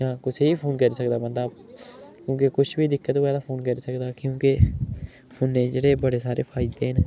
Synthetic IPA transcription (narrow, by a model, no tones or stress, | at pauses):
ãːkʊt͡ʃʰiːpʰoːnkəɾiːsəkd̪aːbənd̪aː | kjõːkekʊt͡ʃʰbiːd̪ɪkːət̪ːʋɛːd̪aːpʰoːnkəɾiːsəkd̪aːkjõːke | pʰonːẽːd͡ʒeːɽeːbəɽeːsaːɾeːpʰaːɪd̪eːɦn